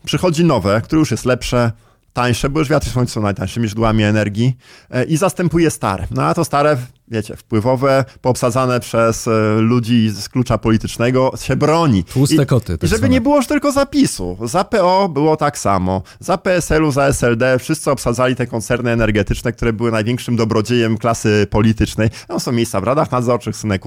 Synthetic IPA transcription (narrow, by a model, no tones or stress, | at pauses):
pʂɘxɔd͡ʑinɔvɛkt̪uɾɛjuʂjɛst̪lɛpʂɛ | t̪aj̃ʂɛbɔwuʐvʲat̪ɾisɔ̃sɔ̃najt̪aj̃ʂɘmʲiʐd̪wamʲiɛnɛɾɡʲiʔizast̪ɛmpujɛst̪a̰ɾɛ̰nɔat̪ɔst̪aɾɛvʲjet͡ɕɛ̰fpwɘvɔvɛpɔːpsad̪zanɛpʂɛslud͡ʑiːsklut͡ʂapɔlʲit̪ɘt͡ʂnɛɡɔɕɛbɾɔɲiusɛkɔt̪ɪ̰iʐɛbɘɲɛbɘwɔʐt̪ɘlkɔzapʲisṵzapɛɔbɘwɔt̪aksa̰mɔ | zapɛɛsɛluzaɛsɛld̪ɛfʂɘst̪sɘɔpsad̪zalʲit̪ɛkɔnt̪sɛɾnɘɛnɛɾɡɛt̪ɘt͡ʂnɛkt̪uɾɛbɘwɘnajvʲɛŋkʂɘmd̪ɔbɾɔd͡ʑejɛmklasɘpɔlʲit̪ɘt͡ʂnɛjt̪amsɔ̃w̃mʲejst̪savɾad̪axnad̪zɔɾt͡ʂɘxsnɛku